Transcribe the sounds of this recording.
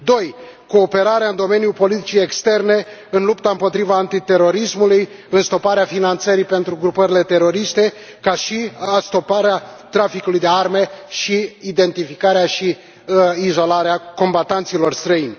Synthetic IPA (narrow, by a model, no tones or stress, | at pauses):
d̪o̞j | ko̞ːpe̞ɾaɾeaɨnd̪o̞me̞njulpo̞lit̪i̥t͡ʃiekst̪e̞rne̞ɨnlupt̪aɨmpo̞t̪ɾivaːnt̪it̪e̞ɾo̞ɾismuluj | ɨnst̪o̞paɾeafinant̪səɾipe̞nt̪ɾuɡɾupəɾile̞t̪e̞ɾo̞ɾist̪e̞ | kaʃiast̪o̞paɾeat̪ɾafikulujd̪e̞arme̞ʃiid̪e̞nt̪ifikaɾeaʃi | izo̞laɾeako̞mbat̪ant̪silo̞rst̪ɾəinʲ